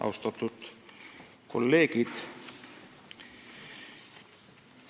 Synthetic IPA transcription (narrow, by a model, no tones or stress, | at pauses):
ɑ̰wst̪ɑt̪ːˑut̪ | ko̞̰lːeːɡid̪̥